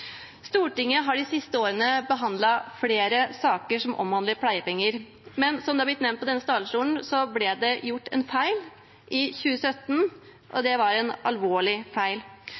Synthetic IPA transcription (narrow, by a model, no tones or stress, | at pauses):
st̪uːʈɪŋːəɦɑɖɪsɪst̪əoːɾənəbəɦɑnd̪lɑfleːɾəsɑːkəʂɔmʔɔ̰mʋɑnd̪ləpʰlæɪəpɛŋːəɾ | mɛnsɔmd̪ɛːɑblɪt̪nɛʋmnpɔd̪ɛnːəst̪ɑːd̪lʂuːln̩sɔblɛd̪ɛjʊʈːɛ̰nfæɪl | ʔɪçʉːəsœt̪ːn̩ | ʔɔ̰d̪ɛʋɑɾɛnɑ̰lʋoːɭɪfæɪl